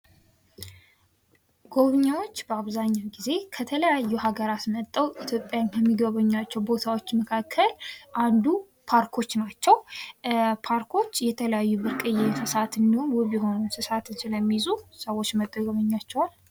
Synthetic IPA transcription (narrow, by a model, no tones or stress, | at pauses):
ɡ̥o̞βɨɲːawo̞t͡ʃːbəaβzaɲːawɡize̞kʰət̪ʰələjajːuhaɡəɾat̪mət̪ʼːəwʔit̪ʰjo̞pʼːjankʰəmːiɡəβəɲːat͡ʃːɛwbo̞t̪ʰawo̞t͡ʃːməkʰakʰːəlʔand̪u | pʰaɾkʰo̞t͡ʃːnat͡ʃːɛw | pʰaɾkʰo̞t͡ʃːjɛt̪ʰələjajːuβɨɾkʼɨjesɨsat̪ɨnd̪ionwuβjɪɦo̞nəwnsɨsat̪ɨnsɨləmːizusəwːot͡ʃːməd̪ʼəɡəβəɲːat͡ʃːɛwal